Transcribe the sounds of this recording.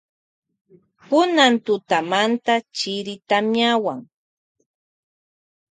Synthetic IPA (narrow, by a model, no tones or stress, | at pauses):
pʊnant̪ʊt̪amant̪at͡ʃɪɾɪt̪amɲjawaŋ